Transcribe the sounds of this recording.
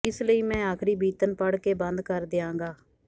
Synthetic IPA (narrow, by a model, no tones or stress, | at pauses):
ɪsləiːmɛ̃ːaːkʰɾiːbiːt̪ənpəɽkeːbə̃nd̪kəɾd̪eːãːŋɡaː